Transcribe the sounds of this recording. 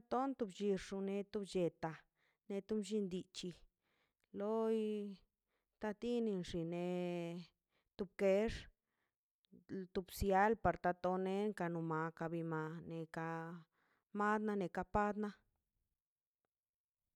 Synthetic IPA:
a˦t̪o˦nt̪u˧bt͡ʃi˧ʂʂu˧ne˧t̪u˧bd͡ʒe˧t̪a˨ | ne˧t̪u˦md͡ʒi˧nd̪i˧t͡ʃi˧ | lo˦j | t̪a˧t̪i˦ni˧nʂi˨ne˧ | t̪u˧b̚ke˦ʂ | t̪u˧bsja˧˦lpa˧ɾt̪a˧t̪o˧ne˧˦ŋka˧nu˨ma˨ka˧bi˧ma˨˧ne˨ka˧ | ma˦d̪na˦ne˨ka˧pa˦d̪na˦

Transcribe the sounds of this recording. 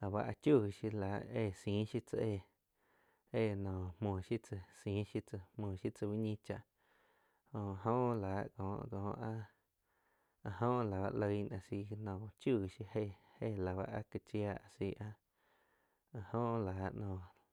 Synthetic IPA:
la˨βa̰˧ʔa˧t͡ʃju˦˧˨ʃi˧la˨ʔeː˧˨sĩː˨˦ʃi˦t͡sə˧ʔe˧˨ | e˦˨nɔ̃ː˨mõː˨ʃi˦t͡sə˧sĩː˨˦ʃi˦t͡sə˧hmõː˧˨ʃi˦t͡sə˧wi˦ɲĩ˦t͡ʃa˧˨ʔ | õ˧ɦõ˦ʔlaː˨˦ʔkɔ̃ː˨ʔkɔ̃ː˨˧ʔa˦ | a˧ɦõ˦ʔla˨ba̰˧ʔlə˧jnã˨si˧nɔ̃˨˧t͡ʃu˦˧˨ʃi˧he˦˨he˦˨la˨βa̰˧ʔa˧ka˧t͡ʃja˧ʔa˧˨si˧ʔa˦˧ | a˧hõ˦ʔlaː˨ʔnɔ̃ː˧˨

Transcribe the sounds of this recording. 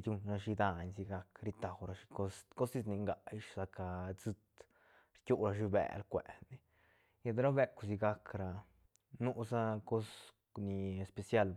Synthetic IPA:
d̪ʲu˧nɾa˧ʃi˧d̪a˧ɲsi˧ɡa˧kɾi˧t̪a˨wɾa˧ʃi˧ko˧sko˦si˧sni˧ŋɡa˨˧ʃsa˧ka˧t͡sɨ˧t̪ | ɾkʲu˦ɾa˧ʃ̬i˧bḛ˨lkʷḛ˨ni˧ | ja˧d̪ɾa˦be˧ku˨si˧ɡa˧kɾa˨ | nu˦sa˦ko˦s | ni˧e˧spe˧sja˦l

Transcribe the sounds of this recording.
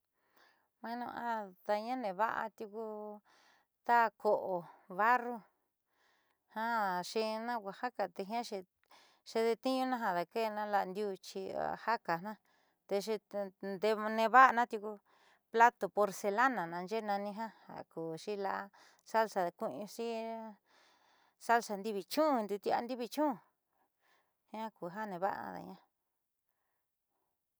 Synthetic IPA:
mã˧˦nṵ̃˧ʔa˦t̪a˧ɲã˦nẽ˨βa̰˦ʔa̰˧t̪u˧ku˧ | t̪a˦˧ko˨ʔo˨βa˦ru˦ | hã˦ʃi˧nã˦kʷa˧˨ha˦ka˨t̪e˧ɦĩ˦ã˦ʃi˧ | ʃe˧ðe˧t̪i˦ɲũ˦nã˦ɦã˧ða˨ke˦˧nã˦la˧nd̪ju˦˧t͡ʃḭ˧ha˦ka˨nã˦ | t̪e˧ʃ̬i˧nd̪e˧nẽ˧βa˦a˧nã˦t̪ju˧ku˧ | pla˦t̪o˨po˧ɾse˧la˦nã˨nã˧nd͡ʒe˦˧nã˧nĩ˧ɦã˦ha̰˨kuː˨ʂi˦la˧ʔa˧ | sa˦lsa˨˧kʷu˦˧ũ˧si˦ | sa˦lsa˧nd̪i˦βi˧t͡ʃũ˦˧nd̪u˧t̪i˧a̰˧nd̪i˦βi˧t͡ʃũ˦˧ | hĩ˦ã˦ku˨ɦa˦nẽ˧βa˦ʔa̰˧ða̰˨ɲã˦

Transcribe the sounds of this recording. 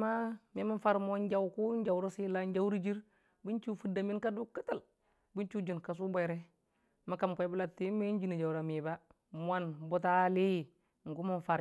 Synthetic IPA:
ma˦mi˦mi˦nfa˦ɾmo˦nd͡ʒa˦wku˦ɲ˦d͡ʒa˨wɾo˦si˦la˦ɲd͡ʒa˦wɾi˦d͡ʒi˦ɾ | bi˦nt͡ʃu˦fu˨da˨mi˦nka˦du˦kːi˦ta˦˨l | bi˦nt͡ʃu˦d͡ʒi˨nka˨s̬u˦bo˨jɾe˦ | ma˦ka˨mkʷa˨i˦bu˦la˦tːi˦me˦ɲ˦d͡ʒi˦ni˨d͡ʒa˨wɾa˨mi˨ba˦ | m˦a˦nbo˦ta˦li˦˨ | ŋ̩˨ɡu˦mu˦nfa˨ɾ

